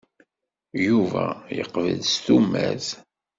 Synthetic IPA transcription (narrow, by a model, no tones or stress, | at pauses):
juvæjəqvəlst̪umːæð